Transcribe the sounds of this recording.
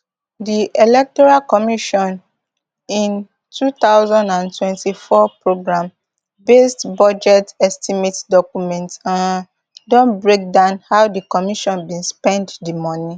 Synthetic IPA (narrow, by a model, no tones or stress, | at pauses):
diʔelɛk̚tɔɹalkɔmiʃɔ̃n | ĩn | tʰut̪aʊzãndãntwɛ̃ntifɔpɹoɡɹãm | bestbɔd͡ʒɛtɛstimetdɔkumɛ̃ntãn | dɔ̃nbɹek̚dãʊ̃nhawdikɔmiʃɔ̃nbĩnspɛ̃nddimɔni